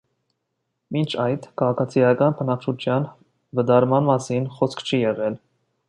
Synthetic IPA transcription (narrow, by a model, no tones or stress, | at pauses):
mint͡ʃʰɑjd̪kʰɑʁɑkʰɑt͡sʰijɑkɑnpʰənɑkt͡ʃʰut͡ʃʰjɑn | vəd̪ɑɾmɑnmɑsinχɔskʰt͡ʃʰijɛʁɛl